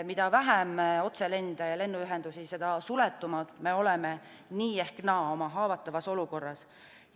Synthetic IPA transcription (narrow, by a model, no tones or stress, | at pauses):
mid̪̥ɑvæɦæmo̞t̪se̞le̞nd̪̥ɑjɑle̞nːuyɦɛnd̪usise̞d̪̥ɑsulet̪ːˑumɑd̪̥me̞o̞leme | niːe̞hknɑːo̞mɑɦɑːvɑt̪ːˑɑvɑso̞luko̞rːɑs